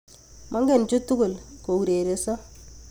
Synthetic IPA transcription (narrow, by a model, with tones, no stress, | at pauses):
mʔa˦ŋɡɛ˦˨nt͡ʃu˦tu˦ɡʊ˨lko˨u˨ɾe˨ɾe˨sɔ˦